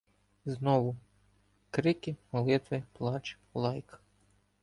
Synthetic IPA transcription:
znɔʋʊ | kɾɪkʲɪmɔlˠɪt̪ʋɪplˠɑt͡ʃ | lˠɑjk

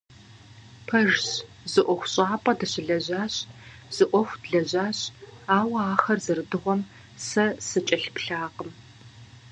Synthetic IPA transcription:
pʰɐʒɕ | zɨʔʷɔxʷɕʼaːpʼɐdɨɕɪɮɐʑaːɕʼ | z̥ɨʔʷɔxʷdɮɐʑaːɕaːwɐaːxɐrzɨrɨdɨʁʷɔm | sɐsɨt͡ʃʼɐɬpɬaːqəm

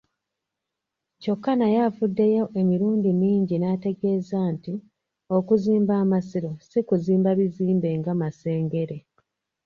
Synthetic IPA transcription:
co̞kːanajafudːe̞jo̞ʔe̞miɾuːndiniːɲɟinate̞ɡe̞ːzaːnti | o̞kuziːmbaːmasiɾo̞sikuziːmbaβiziːmbe̞ŋɡamase̞ːŋɡe̞ɾe̞

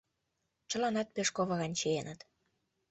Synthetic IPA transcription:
t͡ɕə̆lɑnɑt̪̚peʃkoβɤɣɑnʲt͡ɕejenət̪

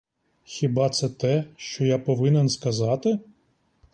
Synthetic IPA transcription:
xʲibɑt̪sɛt̪ɛʃt͡ʃɔjapɔʋɪnenskɐzɑt̪ɪ

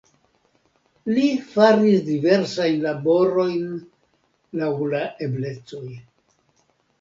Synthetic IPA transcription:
lifaɾisdive̞ɾsajnlabo̞ɾo̞jn | lawlaʔe̞ble̞t͡so̞j

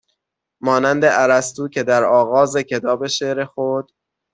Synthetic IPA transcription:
mɒːnænd̪e̞ʔæɾæst̪uːcʰe̞d̪æɾɒːɣɒːzecʰe̞t̪ʰɒːbe̞ʃeʔɾexod̪̥

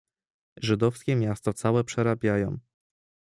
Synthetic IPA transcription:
ʐɘd̪ɔfskʲɛmʲjast̪ɔt̪sawɛpʂɛɾabʲjajɔ̰̃w̃

